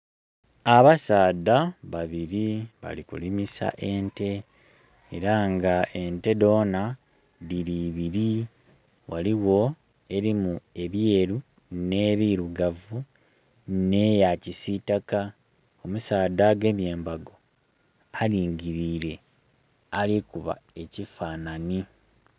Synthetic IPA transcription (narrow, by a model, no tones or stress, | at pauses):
aβasaːd̪aβaβiɾiβa̰likṵlimisa̰ʔe̞nte̞̰ː | ɾaŋɡaʔe̞nte̞do̞ːna | ðiɾiːβiɾi | waliwo̞ | e̞ɾimue̞βje̞ːɾu | ne̞ːβiɾuɡavu | ne̞jacisitaka | o̞musaːd̪aɡe̞ːmje̞ːmbaɡo̞ | aliːɲɟiɾiːɾe̞ | alikuβa̰e̞cifaːnani